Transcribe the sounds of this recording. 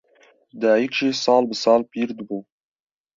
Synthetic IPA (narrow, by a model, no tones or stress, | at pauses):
d̪ɑːjikʒeːsɑːlbɨsɑːlpiːɾd̪ɨbuː